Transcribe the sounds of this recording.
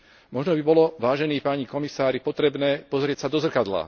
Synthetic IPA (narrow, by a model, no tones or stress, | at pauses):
mɔʒnɔbibɔlɔʋaːʒɛniːpaːɲikɔmisaːɾipɔt̪ɾɛbnɛːpɔzɾɪɛcsad̪ɔzr̩kad̪la̰